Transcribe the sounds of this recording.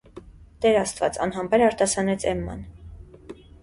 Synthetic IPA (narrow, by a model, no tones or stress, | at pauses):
d̪̥ɛɾɑst̪vɑ̰t͡sɑ̰nɦɑmbɛɾɑɾt̪ɑsɑnɛt͡sʰɛ̰mːɑ̰n